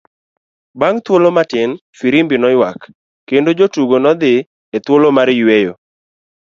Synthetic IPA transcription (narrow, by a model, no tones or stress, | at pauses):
baŋt̪wolomatɪnfiɾimbɪnɔjwakː | endod͡ʒotuɡonɔd̪ɪ | et̪wolomaɾjwejo̰